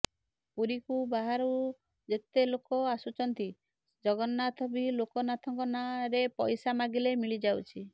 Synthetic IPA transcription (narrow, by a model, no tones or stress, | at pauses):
puɾikubaɦaɾu | d͡ʒet̪elokɔasut͡ʃʰɔnt̪i | d͡ʒɔɡɔnːat̪ʰɔbilokɔnat̪ʰɔŋkɔnaɾepɔjsamaɡilemiɭid͡ʒawt͡ʃʰi